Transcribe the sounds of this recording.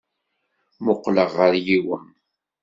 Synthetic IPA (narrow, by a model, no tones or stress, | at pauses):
moqləʁːəɾjiwən